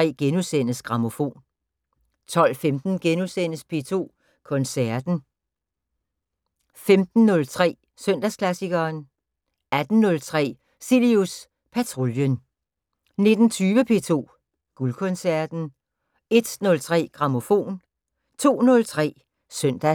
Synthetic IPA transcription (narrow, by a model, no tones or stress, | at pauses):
ɛ̰ːɡ̥enusen̰əsɡ̥ʁɑ̈mo̝fo̝̰ːn | t͡sʰɒ̽l̰femd̥n̩ɡ̥enusen̰əspʰe̝̰ːt͡sʰo̝̰ː | kʰɔ̽nsæɐd̥n̩ | femd̥n̩ːɔ̽lt͡sʰʁɛ̰ː | sœn̰d̥æskʰlæsiɡ̥ɐːn | æd̥n̩nɔ̽lt͡sʰʁɛ̰ː | silius | pʰæt͡sʰʁo̝ljən | ne̝d̥n̩t͡sʰyːʋəpʰe̝̰t͡sʰo̝̰ː | ɡ̥ulkʰɔ̽nsæɐd̥n̩ | e̝d̥nɔ̽lt͡sʰʁɛ̰ːɡ̥ʁɑ̈mo̝fo̝̰ːn | t͡sʰo̝̰ːnɔ̽lt͡sʰʁɛ̰ː | sœn̰d̥æ